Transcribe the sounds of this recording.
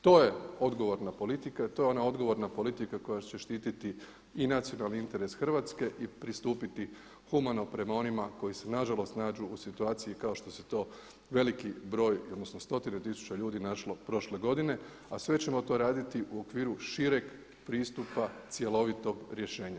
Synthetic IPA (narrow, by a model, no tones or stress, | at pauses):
t̪o̞ːje̞o̞d̪ɡo̞ʋo̞ɾnapo̞lit̪ikait̪o̞jeo̞nao̞d̪ɡo̞ʋo̞ɾnapo̞lit̪ikako̞jat͡ɕe̞ʃt̪iːt̪it̪i | inat̪sio̞nalˠniint̪e̞ɾe̞sxər̩ʋaːt̪ske̞ʔipɾist̪uːpit̪i | xumano̞pɾe̞mao̞nimako̞jise̞naʒalo̞st̪naːd͡ʒuːsit̪uaːt̪sijikao̞ʃt̪o̞set̪o̞ː | ʋe̞likibɾo̞ːjod̪nosnost̪o̞t̪inet̪isu̥t͡ɕaʎuːd̪inaʃlo̞pɾo̞ʃle̞ɡo̞d̪ine̞ | asʋe̞t͡ɕe̞mo̞t̪o̞ːɾaːd̪it̪iʔuo̞kʋiːɾuʃiɾe̞ɡ | pɾiːst̪upat̪sjelˠo̞ʋit̪o̞ɡɾje̞ʃe̞ːɲa